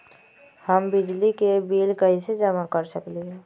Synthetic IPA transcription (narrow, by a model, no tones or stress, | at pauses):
həmbɪd͡ʒlikebiːlkəɦised͡ʒəmakəɾsəkliɦɛː